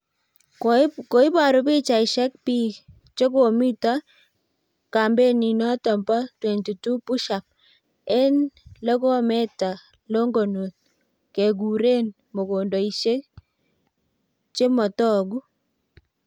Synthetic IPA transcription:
ko˨i˦pa˨ɾo˦pi˦t͡ʃa˨ɪ˨ʃɛ˦k̚pi˦ | t͡ʃo˦ko˨mi˦ta˦ | ka˨mbe˦ni˨nɔ˦tɔ˨mba˦twɛ˨nti˨tu˦pu˦ʃa˨p̚ | ɛ˦nle˦ko˦me˦ta˨ | lo˦ŋɡo˨no˨t̪̚ | ke˨ɡ̬u˨ɾe˦n | mo˨ɡo˨ndo˨i˨ʃe˦k̚ | t͡ʃe˦mɔ˨tɔ˦ɡu˦

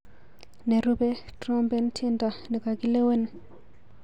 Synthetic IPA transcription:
ne˨ɾu˦be˦ | tɾɔ˦mbɛ˦ntʰi˦nda˨ni˨ka˨ɡi˦le˦we˦n

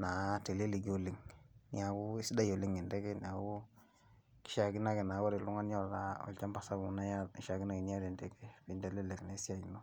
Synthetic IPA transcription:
na˨˦te˨le˦li˨ɡi˦o˨le˨ŋnḭ˦a˨ku˦i˦si˦da˦jo˨le˨ŋe˨nde˦ke˦ni˨a˨ku˦ | ki̥˦ʃa˨ki˦na˦ke˨na˨˦wo˦ɾe˨lu˦ŋa˦njo˦˨la˨o̰˨lt͡ʃa˦mpa˨sa˦bu˨˦na˦ja˦i˦ʃa˨ki˦na˦ki˨ni˦a˦de˨nde˦ke˦bi˨nde˨le˦le˨kna˨˦si˦a˦˨no˦

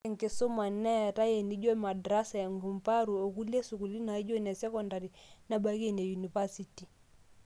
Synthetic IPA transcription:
ɛ˦˨ŋkɪ˨so˦ma˨nːɛ˦a˨ta˦je˨ni˦d͡ʒo˦i˦ma˨dɾa˦sa˨a˨ŋɡu˨mpa˦ɾu˨o˨ku˦le˦su˨ku˨li˦na˨i˦d͡ʒo˦nɛ˨sɛ˦kɔ˨nda˨ɾi˨na˦ba˦ke˦ne˨ju˨ni˨va˦si˨ti˨

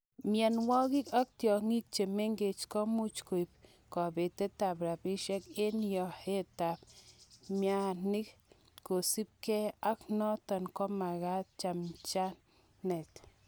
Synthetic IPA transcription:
mja˧nwo˦ɣi˦ka˦k̚t̪jo˨ŋi˦k̚t͡ʃe˨me˦ŋɡe˨t͡ʃko˦mu˦t͡ʃku˧˨p̚ | ko˨be˨t̪e˦t̪a˨pɾa˨pi˦ʃe˦ke˦njo˨he˦t̪a˨p | mja˧ni˦k | ko˨si˦p̚ke˦a˦kno˦t̪a˨nko˦ma˨ɣa˦t̪̚t͡ʃa˧mt͡ʃa˦ | ne˨t̪

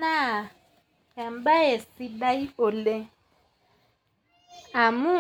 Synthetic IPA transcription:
a˦˨ | ja˨mba˦e˨si˦da˦i˦o˨le˦ | a˨mu˦

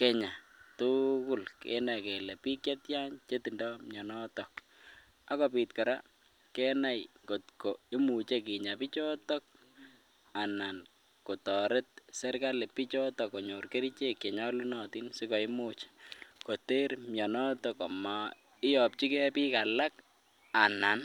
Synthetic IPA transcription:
kɛ˦ɲa˨tʊkʊ˦lkɛ̰˦na˨kɛ˨le˨pi˦kɛ˦tja˦ɲt͡ʃe˦ti˨ndɔmjɔ˨nɔtɔk | a˦kɔ˨pitkɔ˨ɾa̰ | kɛ˦na˦jko˨tkoi˦mu˨t͡ʃe˦ki˨ɲa˨pi˦t͡ʃɔ˦tɔ˦k̚ | a˨na˨n | ko˨tɔ˨ɾe˦t̚sɛ˦rkale˨pi˦t͡ʃɔ˦tɔ˨kɔ˨ɲo˨rke˦ɾi˦t͡ʃe˦kːe˨ɲɔ˦lu˦nɔ˨ti˦nsi˦kɔ˨i˦mut͡ʃe̥ko˨te˦ɾmjɔ˨nɔ˦tɔkɔ˨ma˨ | ɪ˦jɔ˨p̚t͡ʃi˦kɛ˦pi˦kala˦k | a˨na˨n

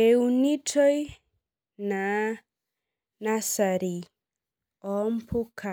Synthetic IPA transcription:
e˨uni˦tʰɔ˦j | na˨˦ | na˦sa˨ɾi˨ | ɔ˨mpʰo˦kʰa˨

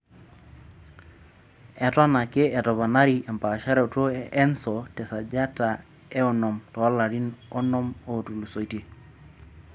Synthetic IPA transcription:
ɛ˨ta˦na˨ke˦ɛ˨tɔ˨βa˨na˦ɾi˨ʔɛ˨mpa˨ʃa˦ɾɛ˨to˦ɛ˦nsɔ˨tɛ˨sa˨d͡ʒa˦ta˨ | ɛ˦ɔ˨nɔ˨mtɔ˨˦la˨ɾi˦nɔ˦nɔ˦mo˨tu˨lu˨so˨i˦te˨

